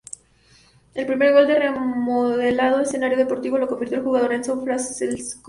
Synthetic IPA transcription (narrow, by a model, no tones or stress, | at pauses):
e̞lpɾime̞ɾɣo̞ld̪e̞re̞moðelað̞o̞ese̞naɾjo̞ðepo̞ɾt̪iβo̞lo̞ko̞mbiɾt̪jolxuɣaðo̞ɾensoflasselsk